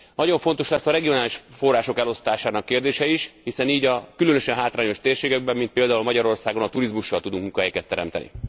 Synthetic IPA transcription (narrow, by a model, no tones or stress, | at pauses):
nɒɟo̞ɱfo̞nt̪oʃlɛsːɒɾɛɡionaːliʃfo̞raːʃo̞kɛlo̞st̪aːʃaːnɒkːeːrd̪eːʃɛiʃhisɛniːɟɒkylønøʃɛnɦaːt̪raːɲo̞ʃt̪eːrʃeːɡɛɡ̚bɛmːint̪peːld̪aːulmɒɟɒɾo̞rsaːɡo̞nɒt̪uɾizmuʃːɒlt̪ud̪uŋkuŋkɒɦɛjɛkɛt̪ːɛɾɛ̰mt̪ɛ̰nḭ